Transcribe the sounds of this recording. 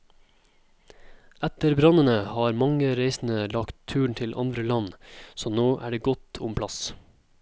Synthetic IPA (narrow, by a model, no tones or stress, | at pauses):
æt̪əɾbɾɑnənəhɑːɾmɑŋəɾeɪsn̩əlɑkt̪ʰːʉːɳ̩t̪ʰɪlʔɑ̰nd̪ɾəlɑnsoːnoːʔæ̰ːɖeːɡɔt̪ʰʊmpʰlɑs